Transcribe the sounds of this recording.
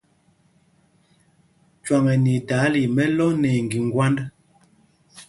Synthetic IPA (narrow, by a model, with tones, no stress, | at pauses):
t͡ʃwa˨ŋɛ˨ni˨ta˨˦li˨mɛ˦lɔ˦nɛ˨ŋɡi˨ŋ˦ɡwa˦nd